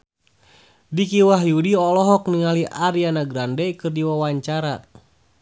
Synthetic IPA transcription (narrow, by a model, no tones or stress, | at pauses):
dikiwaɦjudiɔlɔɦɔkniŋaliʔaɾianaɡɾandɛkɨrdiwawaɲt͡ʃaɾa